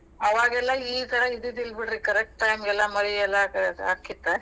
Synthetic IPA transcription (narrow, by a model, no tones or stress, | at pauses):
ɐʋaːɡɛlːɐiːt̪ʰɐɾɐid̪id̪ilbiɽɾikɐɾek̚ʈʈɐjmɡɛlːɐmɐɾiɛlːɐaːkːit̪ːe